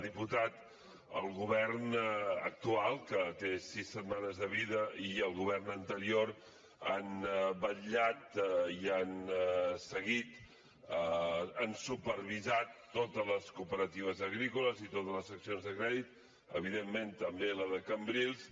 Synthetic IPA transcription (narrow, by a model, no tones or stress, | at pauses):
ðiput̪at̪ | ə̰lˠɣuβɛrnək̚t̪ualˠkət̪esisːət̪manəzðəβ̞iðəiəlˠɣuβɛrnənt̪əɾioɾ | anbəʎat̪iansəɣit̪ | əənsupəɾβ̞izat̪ːot̪ələskupəɾət̪iβ̞əzəɣɾikuləzit̪ot̪ələzəksionzðəkɾɛðit̪̚ | əβ̞iðemːent̪əmbeləðəkəmbɾilˠs